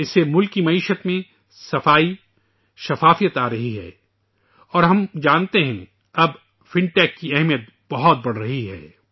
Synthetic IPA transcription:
ɪsːemʊlkimɐiːʃət̪mẽ | sɐfaːi | ʃɐfaːfijət̪aːɾɐɦiɦɛ̰ː | ɔːɾɦɐmd͡ʒaːnt̪eɦɛ̃ | ɐb | fɪ̃ɳʈɛːkːiɛɦmijət̪̚ | b̥ɐɦɔt̪̚bɐɽ̤ɾɐɦiɦɛ̰ː

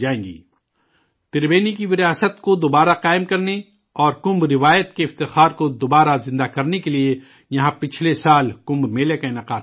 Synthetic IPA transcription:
d͡ʒaːẽːŋɡḭː | t̪ɪɾbeːnikiʋɪɾijaːsət̪kod̪oːbaːɾaqaːɪmkɐɾne | ɔːɾkʊ̃mbɾɪʋaːjət̪keɪft̪ɪxaːɾkod̪oːbaːɾazɪ̃nd̪akɐɾnekelie | jɐɦãpɪt͡ʃʰlesaːlkʊ̃mbmeːlekaɪnəqaː

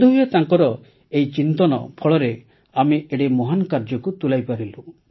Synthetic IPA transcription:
d̪uɦujat̪aŋkɔɾɔ | ejt͡ʃint̪ɔnɔ̰pʰɔɭɔɾe | ameʔeɽemɔɦankaɾd͡ʒɔkut̪ulajpaɾilu

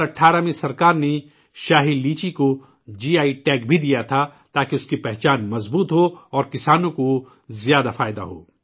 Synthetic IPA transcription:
ɐʈʰːaːɾamẽsɐɾkaːɾne | ʃaːɦiliːt͡ʃiko | d͡ʒiːaːiʈɛːkbʱid̪ijat̪ʰat̪aːkeʊskipɛɦt͡ʃaːnmɐzbuːt̪ɦoɔːɾkɪsaːnõko | zjaːd̪afaːɪd̪a̰ɦo̰ː

